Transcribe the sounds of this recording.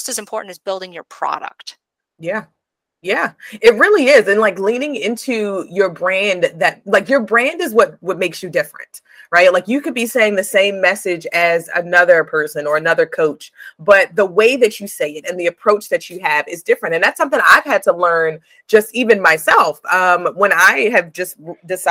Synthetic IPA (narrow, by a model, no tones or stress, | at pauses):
sɨzɨ̃m̩pʰɔɹʔn̩tɨzbɪlˠdɪ̃ŋjə̰˞pʰɹ̥ɑ̰ɾə̰k̚t̚ | jæ | jæɪt̬̚ɹɪlˠiɪzɨ̃nlaɪklĩnɪ̃ŋɪ̃ntʰʉjə˞bɹæ̃nðɨt̚laɪkjə˞bɹæ̃ndɨzwʌt̚wʌt̚meɪksjɨdɪfɹɨ̰̃nt | ɹaɪt̚laɪkjɨkɨd̚biseɪɪ̃ŋðɨsẽɪ̃mːɛsɪd͡ʒɨzɨ̰nʌðə˞pʰɜ˞sɨ̃nə˞ɨnʌðə˞kʰoʊt͡ʃb̥ʌt̪̚ðəweɪðɨt͡ʃɨseɪɨɾɨ̃nðiɨpʰɹ̥oʊt͡ʃðɨt͡ʃɨɨvɨzdɪfɹɨ̃ntɨ̃nðætsʌ̃mθɪ̃ŋa̰ɪv̥ɨd̚tʰəlɜ̃˞n | d͡ʒ̥ʌstivɨ̃nmaɪsɛlˠfʌ̃mwə̃naɪɨvd͡ʒʌst̚dɨs